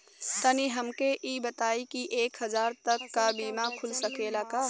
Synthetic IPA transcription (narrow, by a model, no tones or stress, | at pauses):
t̪əniɦɐmkeʔiːbət̪aːikiʔeːkɦɐzaːɾt̪ɐkːabiːmakʰʊlsəkeːlakaː